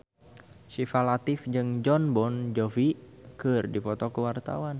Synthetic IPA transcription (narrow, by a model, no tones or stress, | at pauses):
sifalat̪ɪfd͡ʒɨŋd͡ʒɔnbɔnd͡ʒɔvi | kɨrdipɔt̪ɔkəwart̪a̰wan